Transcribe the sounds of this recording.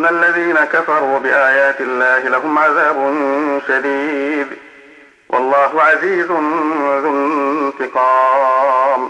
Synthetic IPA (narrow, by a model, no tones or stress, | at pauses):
nːaʔalːaðiːnakafɑɾˤuːbɪʔaːjaːt̪ɪlːaːhɪlaɦʊmʕaðaːbʊnʃad̪iːd̪ | wʔɑ̰lˤːɑːɦʊʕaziːzʊnaðʊnt̪ɨqɑː | m